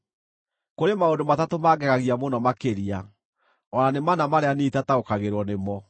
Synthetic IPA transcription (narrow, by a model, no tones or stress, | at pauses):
koɾemaodomatatomaɡɛɣaɣiamonɔmakeɾia | ɔɾanemanamaɾeaneitataokaɣeɾwɔnemɔ